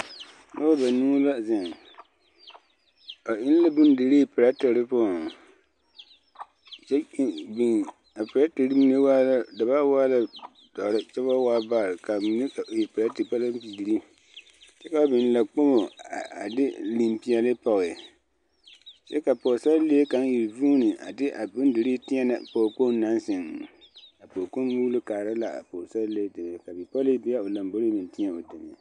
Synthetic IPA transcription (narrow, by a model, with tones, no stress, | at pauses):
no˦a˦ba˨nuː˦la˦zɪ˨ŋ | a˨ʔɪ˦n˦la˦bʊ˦n˦dɪ˨ɾe˦˨pɨ˨ɾa˦tɪ˨ɾɨ˦pɔ˦˨ | t͡ʃɛ˦bi˨n | a˨pɨ˨ɾa˦ti˨ɾɨ˦mi˦ne˦waː˦la˦da˨ba˦waː˦la˦ | d̥ɔ˨ɾɪ˦t͡ʃɛ˦βa˦waː˦ba˦˨ɾɪ˨ka˨mi˨ne˦a˨je˨pɨ˨ɾa˦ti˨pa˦la˦m˦pi˨ɾi˦ | t͡ʃɛ˦ka˨˦bɪ˨n˨la˨k͡po˦mo˨a˨dɪ˦li˨mpi˦ɛ˨lɨ˦pɔ˨ɣɪ˨ | t͡ʃɛ˦ka˨po˨sa˦lle˦e˦ka˨˦n˦ji˨ɾvuː˦nɨ˨ʔa̰˨dɪ˦ʔa˨bʊ˦n˦dɨ˨ɾi˦tɪ˦ɛ˦na̰˨po˨k͡po˦n˦nːa˦nsɪ˨ŋ | a˨po˨ko˦wuː˦lɨ˦kaː˨ɾa˦la˨a̰˨po˨ɾsa˦le˦dɨ˨m˨ɛ˨ka˨bi˨pɔ˦lɨ˦bi˦a˦o˨la˨mbo˦ɾi˦mi˨n˨tɪ˦a˦o˨dɨ˨m˨a˨